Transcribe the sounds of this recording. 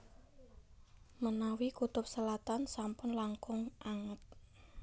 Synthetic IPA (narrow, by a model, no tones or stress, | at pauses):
mənawikut̪ʊp̚səlat̪ansampʊnlaŋkʊŋʔaŋət̪̚